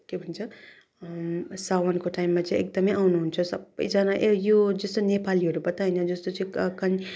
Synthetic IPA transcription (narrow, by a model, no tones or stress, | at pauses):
kebʱʌnt͡sʰʌ | sawʌnkoʈaimːat͡saĩʔek̚d̪ʌmʌjʔawnuɦunt͡sʰʌsʌbʌ̰jd͡zanaʔejod͡zʌst̪onepaliɦʌɾubʌt̪aɦʌnʌd͡zʌst̪ot͡sʌĩkʌn